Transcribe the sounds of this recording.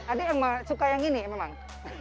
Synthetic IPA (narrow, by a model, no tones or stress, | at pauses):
adajaŋmasukajaŋinimemaŋ